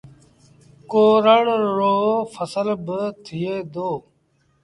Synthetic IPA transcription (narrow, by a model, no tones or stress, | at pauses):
koːɾəɳɾoːfəsəlbət̪ʰɪeːd̪oː